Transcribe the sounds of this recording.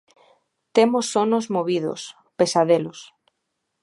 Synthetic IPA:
t̪emosonozmoβiðo̰s | pesaðelos

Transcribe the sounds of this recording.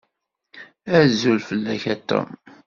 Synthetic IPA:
æɾzulfəlːæçæt̪ːæ̰m

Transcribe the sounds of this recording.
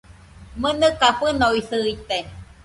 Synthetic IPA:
mɨnɨkaɸɨnoiθɨit̪e

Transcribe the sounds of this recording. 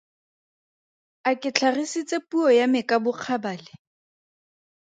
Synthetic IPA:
akɪt͡ɬʰarisit͡sʼepuɔjamɪkʼabʊq͡χʰabaːlɪ

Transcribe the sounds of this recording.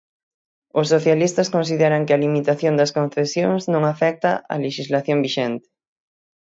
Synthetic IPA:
ʊsːoθjalist̪ɐskonsiðɛɾɐŋkɪɐlimit̪aθjond̪ɐskõn̟θesjoŋznõŋafɛk̚t̪ɐ̰ʔɐ̰leʃizlaθjoŋbiʃɛnt̪ɪ̥

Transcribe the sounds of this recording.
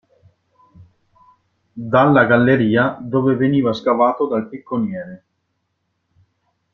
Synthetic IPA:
d̪alːaɡalːeɾiːad̪oːveveniːvaskavaːt̪od̪alt̪ikːonjɛːɾe

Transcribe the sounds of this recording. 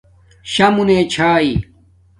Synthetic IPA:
ɕɐmuneːt͡ɕʰaːi

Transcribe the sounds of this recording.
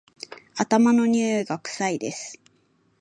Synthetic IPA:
at̪amano̞ɲ̟ʲɨːɡakɯ̟̥said̪e̞sɨ̥

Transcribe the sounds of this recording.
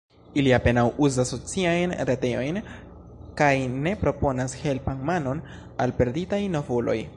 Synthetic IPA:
iliape̞nawuzaso̞t͡siajnɾete̞o̞jn | kajne̞pɾo̞po̞nashe̞lpanmano̞n | alpe̞ɾditajno̞volo̞̰j

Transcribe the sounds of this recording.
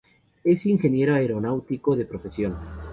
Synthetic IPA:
e̞siŋxe̞nje̞ɾoaeɾo̞nawt̪ikoðe̞pɾofesjon

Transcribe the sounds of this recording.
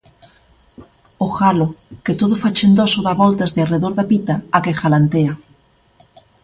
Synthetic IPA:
oxaloket̪oðofat͡ʃend̪osoðaβɔlt̪azðeareðoɾðapit̪aːkexalant̪ea

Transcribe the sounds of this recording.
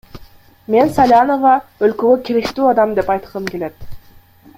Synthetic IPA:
me̞nsalʲano̞vɑølkøɡøkʲʰeɾekt̪yːɑd̪ɑmd̪e̞pɑjt̪ɯ̥ʁɯmke̞le̞t̪

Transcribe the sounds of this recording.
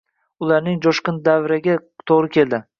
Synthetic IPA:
ʊlaɾnɪŋd͡ʒɒʃqɨnd̪avɾaɡʲat̪ʰoʁɾɪkʲʰe̞ld̪ɪ

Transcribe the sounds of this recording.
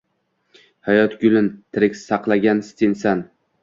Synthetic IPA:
hajɒt̪ɡʲʊlɪnt̪ʰɪɾɪkʲsɑqlˠaɡʲanst̪ʰɪnsan

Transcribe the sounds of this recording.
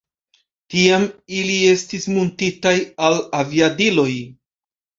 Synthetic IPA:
tiamilie̞stismontitajalaviadilo̞j

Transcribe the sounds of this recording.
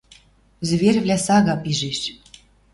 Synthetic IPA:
zβerʲvlʲæsɑɣɑpiʒeʃ

